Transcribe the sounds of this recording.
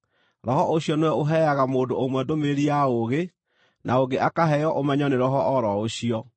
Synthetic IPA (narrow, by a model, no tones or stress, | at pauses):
ɾɔhɔʔoɕjɔnewɛoɦɛaɣamoːdoomwɛdomeɾiaoɣe | nʔaoɡeʔakaɦɛjɔʔomɛɲɔneɾɔɦɔʔɔɾɔoɕiɔ